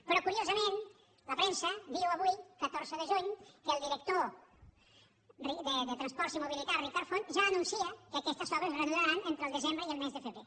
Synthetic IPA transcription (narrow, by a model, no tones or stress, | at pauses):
pɾɔkuɾiozəmen | ləpɾensəd̪iwəβujkət̪oɾzəðəʒuɲkəːlˠd̪iɾək̚t̪o | rid̪əðət̪ɾənspɔɾsimuβilit̪arikaɾfonʒaːnunsiəkəkɛst̪əzɔβəzrənuðaɾənent̪ɾəlˠd̪əzembɾəiəlˠmezðəfəβɾe